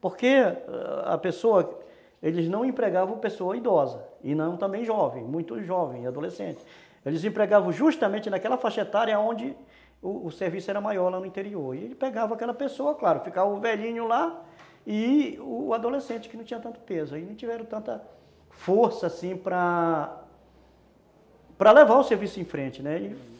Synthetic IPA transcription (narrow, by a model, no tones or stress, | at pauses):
poɾke | ɐ̰pesoɐ | elɪznɐ̃w̃ẽpɾeɡavɐ̃w̃pesoɐid̪ɔzɐɪnɐ̃w̃t̪ɐ̃mbẽj̃ʒɔvḛ̃j̃mũj̃t̪ʊʒɔvẽj̃ad̪olesḛ̃t͡ʃɪ̥ | elɪzĩpɾeɡavɐ̃w̃ʒuʃt̪ɐmẽnt͡ʃɪnakɛlɐfaʃet̪aɾjɐaõnd͡ʒɪ | ʊːseɾvisʊɛɾɐmajɔɾlanʊĩt̪eɾioɾɪḛlɪpeɡavɐ̃akɛlɐpesoɐklaɾʊfikavɐʊvɛʎĩɲʊla | ɪʊːad̪olesẽnt͡ʃɪ̥kɪnɐ̃w̃t͡ʃĩɐt̪ɐ̃t̪ʊ̥pezʊainɐ̃w̃t͡ʃivɛɾɐ̃t̪ɐ̃nt̪ɐ | foɾsɐasĩpɾɐ | pɾɐlevaɾʊseɾvisʊẽfɾẽt͡ʃɪnɛɪ